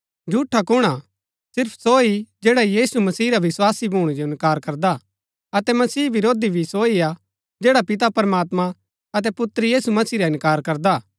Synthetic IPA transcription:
d͡ʒʱuːʈʰːakʊɽ̃a | sɪɾpʰsoid͡ʒɛːɽajiːsumɐsiːɾaʋɪswaːsibʱuːɽ̃id͡ʒoɪ̃nkaːɾkɐɾd̪a | ɐt̪ɛmɐsiːʋɪɾoːd̪ibʱisoia | d͡ʒɛːɽapɪt̪̬apɐɾmaːt̪mã | ɐt̪̬ɛpʊt̪ɾjiːsumɐsiːɾaɪ̃nkaːɾkɐɾd̪aː

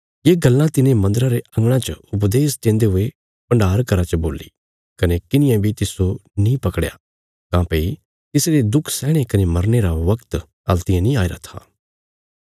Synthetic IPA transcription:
jeːɡɐlːãt̪ɪnẽmɐ̃nd̪əɾãɾeɐ̃ŋɡɽ̃ãt͡ʃəʊp̬d̪eːsd̪ẽːnd̪eɦʊe | pɐ̃ɳɖaːɾkɐɾat͡ʃəbo̰ːlːḭ | kɐnekɪnɪ̃jãbʱit̪ɪsonĩpɐkɽja̰ | kãːpeːi | t̪ɪsɾed̪ʊkʰsɛːɽ̃ekɐnemɐɾneɾaʋɐkt̪ | ɐlt̪ɪjãnĩaːeɾa̰t̪ʰa̰ː

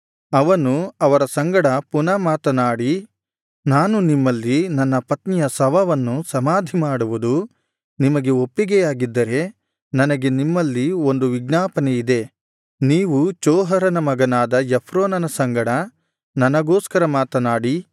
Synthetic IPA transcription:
ɐʋɐnuɐʋɐɾɐsɐŋɡɐɽɐpunɐmaːt̪ɐnaːɽi | naːnunimːɐlːinɐnːɐpɐt̪nijɐsɐʋɐʋɐnːusɐmaːd̪ʱimaːɽuʋud̪u | nimɐɡe̞opːiɡɛjaːɡid̪ːɐɾe̞ | nɐnɐɡe̞nimːɐlːio̞nd̪uʋiɡnaːpɐneid̪e̞ | niːʋut͡ʃɔːɦɐɾɐnɐmɐɡɐnaːd̪ɐjepʰɾoːnɐnɐsɐŋɡɐɽɐ | nɐnɐɡoːskɐɾɐmaːt̪ɐnaːɽi

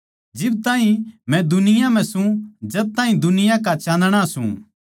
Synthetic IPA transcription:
d͡ʒɪb̚t̪aːɦĩmɛ̃d̪ʊnɪjãm̤ɛ̃sũd͡ʒɐb̚t̪aːɦĩd̪ʊnɪjãkat͡ʃãːnd̪ɽ̃asṵ̃

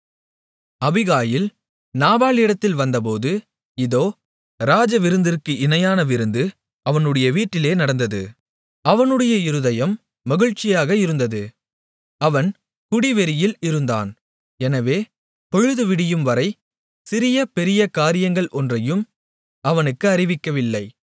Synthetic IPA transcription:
ɐbɪɣaːjɪl | naːbaːlɪɽɐt̪ːɪlʋɐnd̪ɐp̬oːðɯ | ɪðoː | ɾaːd͡ʒɐʋɪɾɯnd̪ɪrkɯʔɪnɐjaːnɐʋɪɾɯnd̪ɯ | ɐʋɐnɯɽɐjɐʋiːʈːɪleːnɐɽɐnd̪ɐðɯ | ɐʋɐnɯɽɐjɐɪɾɯðɐjɐmː | ɐɣɪɻt͡ʃːɪjaːɣɐɪɾɯnd̪ɐðɯ | ɐʋɐn | kʊɽɪʋɛɾɪjɪlɪɾɯnd̪a̰ːn | ɛnɐʋeː | pɔɻɯðɯʋɪɽɪjɯmʋɐɾɐɪ | sɪɾɪjɐpɛɾɪjɐkaːɾɪjɐŋɡɐɭʔɔndrɐjɯm | ɐʋɐnɯkːɯɐɾɪʋɪkːɐʋɪlːɐɪ

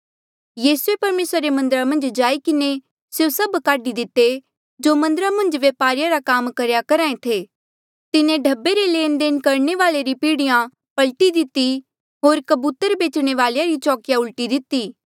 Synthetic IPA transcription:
jiːsuepɐɾmeːsɾɾemɐ̃nd̪əɾamɐ̃nd͡ʒd͡ʒaːikɪne | sjosɐbkaːɖid̪ɪt̪ːe | d͡ʒoːmɐ̃nd̪əɾamɐ̃nd͡ʒʋjeːpaːɾɪjaɾakaːmkɐɾjakɐɾaːẽt̪ʰeː | t̪ɪnẽɖʱɐbːeɾeleːnɖeːnkɐɾɳ̃eʋaːleɾipiːɽɪjã | pɐlʈid̪ɪt̪ːi | ɦoːɾkɐbuːt̪əɾbeːt͡ʃɽ̃eʋaːljaɾit͡ʃɔːkɪjaʊlʈid̪ɪt̪iː

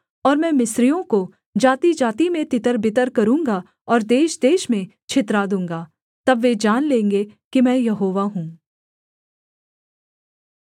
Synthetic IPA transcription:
ɔːɾmɛ̃ːmɪsɾijõko | d͡ʒaːt̪id͡ʒaːt̪imẽt̪ɪt̪əɾbɪt̪əɾkɐɾũːŋɡa | ɔːɾd̪eːʃd̪eːʃmẽ | t͡ʃʰɪt̪ɾaːd̪ũːŋɡaː | t̪ɐbʋed͡ʒaːnlẽːŋɡekimɛ̃ːjɐɦoːʋaɦũː

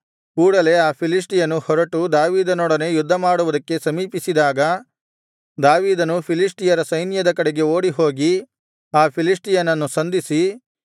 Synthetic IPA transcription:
kuːɽɐle̞aːpʰilis̬ʈijɐnuhɔɾɐʈud̪aːʋiːd̪ɐnɔːɽɐne̞jud̪ʱːɐmaːɽuʋud̪ɐkːe̞sɐmiːpisid̪aːɡɐ | d̪aːʋiːd̪ɐnupʰilisʈijɐɾɐsɐjnjɐd̪ɐkɐɽeɡe̞o̞ːɽiɦo̞ːɡi | aːpʰilisʈijɐnɐnːusɐnd̪isi

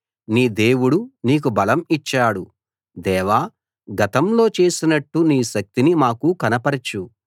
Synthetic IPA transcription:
niːd̪e̞ːwuɽuniːk̬ubɐlɐmit͡ʃːaːɽu | d̪ɛːʋaː | ɡɐt̪ɐmlo̞ːt͡ʃe̞ːsinɐʈːuniːʃɐk̚t̪inimaːkukɐnɐpɐɾɐt͡ʃu

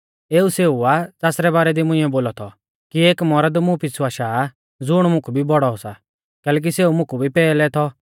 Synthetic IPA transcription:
eːuseːuat͡saːsɾɛbaːɾɛd̪imʊ̃ɪ̃ːɛboːlɔt̪ʰɔ | kieːkmɔɾəd̪mũpisaːʃaː | d͡zʊɽ̃mʊ̃kʰubʱibɔɽɔɔsa | kɛːlɛːk̬iseːumʊ̃kʰubʱipɛːlɛt̪ʰɔ

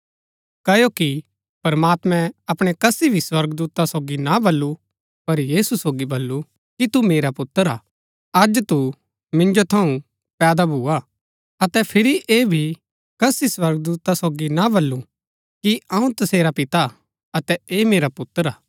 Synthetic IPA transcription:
kɐjoki | pɐɾmaːt̪mɛ̃ɐpɽ̃ekɐsibʱiswɐɾɡd̪uːt̪asoːɡinabɐlːu | pɐɾjiːsusoːɡibɐlːu | kit̪umeːɾapʊt̪ːəɾaː | ɐd͡ʒt̪u | mɪ̃nd͡ʒot̪ʰɐũ | pɛːd̪abʱuːa | ɐt̪ɛpʰɪɾiʔeːbʱi | kɐsiswɐɾɡ̚d̪uːt̪asoːɡinabɐlːũ | kiɐ̃ũt̪ɐseːɾapɪt̪a | ɐt̪ɛeːmeːɾapʊt̪ːəɾaː

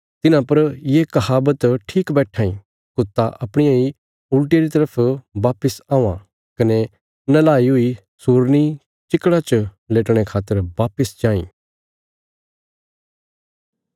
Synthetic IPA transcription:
t̪ɪnãpɐɾjekɐɦaːbət̪ʈʰiːkbɛːʈʰaːĩ | kʊt̪ːaʔɐpɽ̃ɪjãi | ʊlʈeɾit̪ɐɾəpʰʋaːpəsãːũã̰ | kɐne | nɐlaːiɦʊi | suːɾni | t͡ʃɪkːɽat͡ʃ | leːʈɽ̃ekʰaːt̪ːəɾʋaːpəsd͡ʒãːḭ̃ː

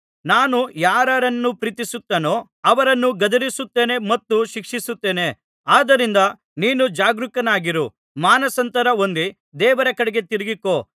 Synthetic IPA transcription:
naːnujaːɾɐɾɐnːupɾiːt̪isut̪ːɐːno̞ː | ɐʋɐɾɐnːuɡɐd̪ɐɾisut̪ːe̞ːne̞mɐt̪ːuʃikʂisut̪ːe̞ːne̞ | aːd̪ɐɾind̪ɐ | niːnud͡ʒaːɡɾukɐnaːɡiɾu | maːnɐsɐnt̪ɐɾɐo̞nd̪i | d̪ɛːʋɐɾɐkɐɽeɡe̞t̪iɾiɡiko̞ː

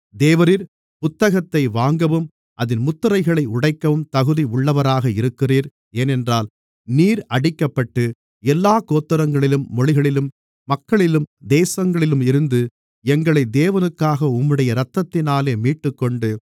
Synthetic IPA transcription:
d̪eːʋɐɾɪɾ | pʊt̪ːɐɣɐt̪ːɐɪʋaːŋɡɐʋɯm | ʔɐðɪnmʊt̪ːɯɾɐɪɣɐɭɐɪʊɽɐɪkːɐʋɯmt̪ɐɣɯðiʊɭːɐʋɐɾaːɣɐɪɾɯkːɪriːɾ | eːnɛndraːl | niːɾɐɽɪkːɐpːɐʈːɯ | ɛlːaːkoːt̪ːɯɾɐŋɡɐɭɪlɯmːɔɻɪɣɐɭɪlɯmː | ɐkːɐɭɪlɯmd̪eːsɐŋɡɐɭɪlɯmɪɾɯnd̪ɯ | ɛŋɡɐɭɐɪd̪eːʋɐnɯkːaːɣɐʊmːɯɽɐjɐɾɐt̪ːɐt̪ːɪnaːleːmiːʈːɯkːɔɳɖɯ

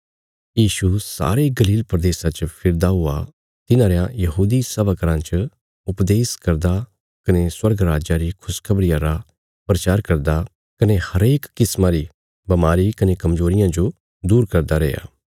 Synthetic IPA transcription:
jiːʃusa̰ːɾeɡɐliːlpɾɐd̪eːsat͡ʃəpʰɪɾd̪aɦʊa | t̪ɪnãɾejãjɐɦuːd̪isɐbəkɾãt͡ʃə | ʊpd̪eːskɐɾd̪a | kɐneswɐɾɡɾaːd͡ʒaɾikʰʊskʰɐbɾɪjãɾa | pɾɐt͡ʃaːɾkɐɾd̪a | kɐnehɐɾeːkːɪsmaɾi | bɐmaːɾikɐnekɐmzoːɾɪjãd͡ʒo | d̪uːɾkɐɾd̪aɾeːja̰ː

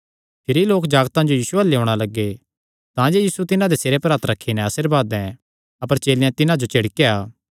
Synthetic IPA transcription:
pʰɪɾiloːkd͡ʒaːɡt̪ãd͡ʒojiːsuɛleɦõːɽ̃alɐɡːe | t̪ãːd͡ʒejiːsut̪ɪnãd̪eseːɾepɾaːt̪ɾɐkʰːinɛ̃ɐsɪɾbaːd̪ɛ̃ | ɐpəɾt͡ʃeːlɪjãt̪ɪnãd͡ʒot͡ʃeɽkeaː

